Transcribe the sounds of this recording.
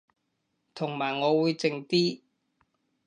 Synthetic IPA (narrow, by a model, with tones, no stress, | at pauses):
t̪ʰʊ˨˩ŋmaː˨˩jŋɔː˨˧wuː˨˧jt͡sɪ˧ŋt̪iː˥